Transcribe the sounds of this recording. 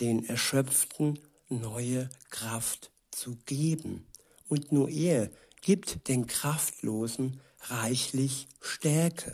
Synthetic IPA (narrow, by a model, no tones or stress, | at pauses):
d̥eːnɛɐʃœp͡ftn̩ | nɔʏəkʁ̥aft | t͡suɡ̥eːbm̩ | ʔʊntnuːɐʔeːɐ | ɡ̥iːp̚td̥eːnkʁ̥aftʰloːzn̩ | ʁaɪçlɪçʃtɛɐkʰə